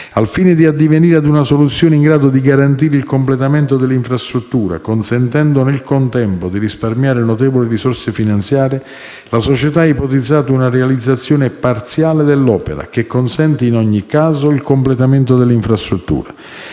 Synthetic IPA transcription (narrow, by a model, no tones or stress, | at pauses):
alfiːnɪd̪iad̪ːiveniːɾad̪unasolut̪sːjoːneiŋɡɾaːd̪od̪iɡaɾant̪iːɾeilkomplet̪ament̪od̪elːiɱfɾast̪ɾut̪ːuːɾa̰konsɛnt̪ɛnd̪onelkont̪ɛmpod̪irisparmjaːɾenot̪ɛːvolirisɔrsefinant̪sjaːɾɪ | lasot͡ʃet̪aɛipot̪id̪zːaːt̪aunarealid̪zːat̪sːjoːnepart̪sjaːled̪elːɔːpeɾa̰k̟ekːonsɛnt̪iːnɔɲːikːaːzoilkomplet̪amɛnt̪od̪elːiɱfɾast̪ɾut̪ːṵːɾa